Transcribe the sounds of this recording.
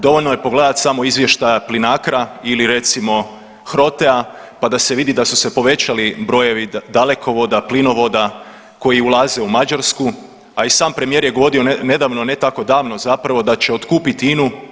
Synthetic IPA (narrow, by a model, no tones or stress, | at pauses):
d̪o̞ʋo̞lʲnoje̞po̞ɡle̞ːd̪at̪samo̞izʋje̞ʃt̪ajaplinaːkɾailiɾe̞t̪simo̞ | xɾo̞t̪e̞a | pad̪ase̞ʋid̪id̪asuse̞po̞ʋe̞t͡ɕalibɾo̞je̞ʋid̪ale̞kʰo̞ʋo̞d̪aplino̞ʋo̞d̪a | ko̞jiulˠaze̞umad͡ʒaɾsku | aisaːmpɾe̞mije̞ɾje̞ɡo̞ʋo̞ɾio̞ne̞d̪aʋno̞ne̞t̪ako̞d̪aːʋno̞zapɾaʋo̞d̪at͡ɕe̞o̞t̪kuːpit̪inu